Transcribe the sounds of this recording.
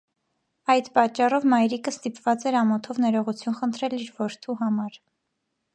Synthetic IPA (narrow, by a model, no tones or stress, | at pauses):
ɑjd̪pɑt͡ʃːɑrɔvmɑjɾikəst̪ipvɑt͡sɛɾɑmɔt̪ʰɔvnɛɾɔʁut͡sʰjunχənt̪ʰɾɛliɾvɔɾt̪ʰuɦɑmɑɾ